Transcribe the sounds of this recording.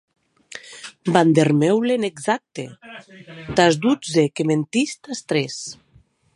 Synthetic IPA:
band̪eɾmewleneɡzak̚t̪ḛ | t̪azd̪ud͡zekement̪ist̪ast̪ɾes

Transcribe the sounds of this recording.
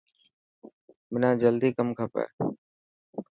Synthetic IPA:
mɪnãːd͡ʒəld̪iːkəmkʰəpɛ̰ː

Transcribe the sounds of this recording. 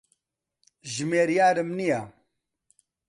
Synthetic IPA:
ʒimeːɾjaːɾəmnija

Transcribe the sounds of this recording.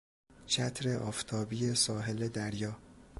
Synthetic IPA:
t͡ʃʰæt̪ʰɾe̞ʔɒːft̪ʰɒːbiːjesɒːɦe̞le̞d̪æɾjɒː

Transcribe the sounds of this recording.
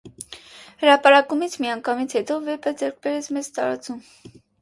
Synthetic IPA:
həɾɑpɑɾɑkumit͡sʰmijɑŋkʰɑmit͡sʰhɛt̪ɔvɛpʰəd͡zɛɾk̚ʰbɛɾɛt͡sʰmɛzt̪ɑɾɑ̰t͡sum

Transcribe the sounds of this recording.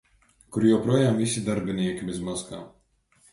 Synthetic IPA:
kʊɾjɛwpɾuɔjaːmisʲid̪aɾbʲinʲiɛkʲibɪzmaska̰ː

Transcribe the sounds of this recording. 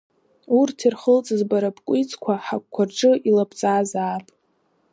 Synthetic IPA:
urtʰirχəlt͡sʼɨzbaɾapkʷʼit͡sʼkʷʰaħakʷkʷʰːarʈ͡ʂʼɨʔilapʰʼt͡sʼaːzaːpʼ

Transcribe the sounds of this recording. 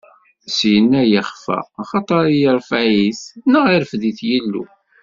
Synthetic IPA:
sjənːæjəχfæ̰ːχɑt̪ˤɑɾˤijəɾfæjiθnːəʁiɾfðiθjəlːṵ

